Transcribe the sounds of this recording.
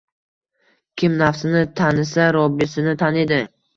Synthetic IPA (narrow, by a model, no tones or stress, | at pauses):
kʲʰɪmnafsɪnɪt̪ʰanɪsaɾɒbɪsɪnɪt̪ʰaned̪ɪ